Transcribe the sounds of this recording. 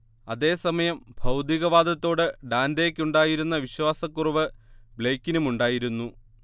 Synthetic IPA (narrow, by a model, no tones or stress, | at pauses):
ɐðe̞ːsɐmɐjɐmbʱɐwd̪iɣɐʋaːd̪ʱɐt̪ːo̞ːɽɨɖaːnd̪eːkʲːuɳɖaːjiɾunːɐʋiɕwaːsɐkːuruʋɨbɭeːkːinumuɳɖaːjiɾunːu